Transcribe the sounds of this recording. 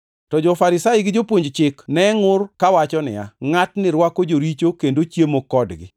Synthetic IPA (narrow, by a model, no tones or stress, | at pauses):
tɔd͡ʒɔfaɾɪsaɪɡɪd͡ʒopwoɲd͡ʒt͡ʃɪknɛŋʊrkawat͡ʃɔnɪ̰ja̰ŋatnɪɾwakod͡ʒoɾit͡ʃokendot͡ʃjemokɔdɡɪ̰